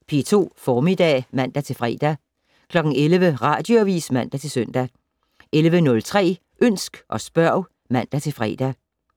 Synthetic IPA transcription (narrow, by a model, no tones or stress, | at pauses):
pʰe̝t͡sʰo̝̰ːfɒːmid̥ɛ̰ːmæn̰d̥æt͡sʰe̝lfʁɛ̰ːd̥æ | kʰlɒ̽ɡ̥ŋ̩elʋəʁɑ̈ːd̥joæʋḭːsmæn̰d̥æt͡sʰe̝lsœn̰d̥æ | elʋənɔ̽lt͡sʰʁɛ̰ː | ʔøn̰sɡ̥ʔɒ̽sb̥ɶɐ̰ʊ | mæn̰d̥æt͡sʰe̝lfʁɛ̰ːd̥æ